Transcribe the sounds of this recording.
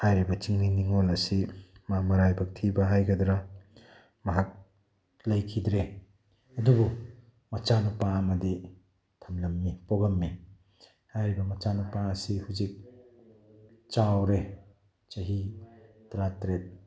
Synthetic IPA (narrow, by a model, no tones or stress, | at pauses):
hajɾibɐt͡ʃiŋniniŋolɐsimamɐɾajbɐk̚tʰibɐɦajɡɐdɾa | mɐɦak̚ | lɐjkʰidɾe | ɐdubu | mɐt͡ʃanupaɐmɐdi | tʰɐmlɐmːipoɡɐmːi | hajɾibɐmɐt͡ʃanupaɐsihuzik̚ | t͡ʃawɾe | t͡ʃɐɦitɾatɾet̚